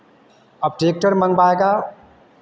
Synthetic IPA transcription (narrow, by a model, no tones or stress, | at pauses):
əbʈeːk̚ʈəɾmə̃ŋɡbaeɡa